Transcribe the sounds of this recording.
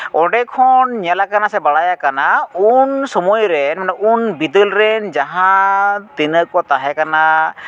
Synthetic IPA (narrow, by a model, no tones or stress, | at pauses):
ɔɖɛkʰɔnɲalakanasɛbaɽajakanaunsɔmɔjɾɛnmanɔʔunbid̪əlɾɛnd͡ʒaɦãt̪inəkɔt̪aɦɛkana